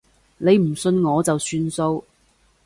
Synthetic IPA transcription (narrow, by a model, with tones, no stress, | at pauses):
ne˨˧jm̩˨˩sɵ˧nŋɔː˨˧t͡sɐ˨wsyː˧nso˧w